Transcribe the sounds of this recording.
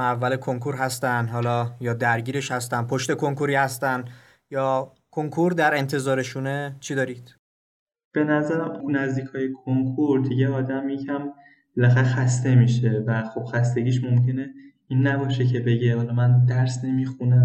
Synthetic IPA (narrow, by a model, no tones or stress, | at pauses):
ævːælekʰo̞ŋkʰoɾɦæst̪ænd̪ɦɒːlɒːjɒːd̪æɾɟiːɾe̞ʃhæst̪æn̚pʰoʃt̪e̞kʰoŋkʰoɾiːhæst̪æn | jɒː | kʰoŋkʰoɾd̪æɾe̞nt̪ʰe̞zɒːɾe̞ʃuːnet͡ʃʰid̪ɒːɾiːd̪̥ | b̥e̞næzæɾæmunæzd̪iːkʰɒːjekʰoŋkʰoɾd̪iɟeɒːd̪æmjecʰæm | belæxæɾexæst̪e̞miːʃevæxo̞b̥xæst̪e̞ɟiːʃmomcʰe̞ne | iːnːæbɒːʃecʰe̞be̞ɟeɒːlɒmænd̪æɾsnemixunæ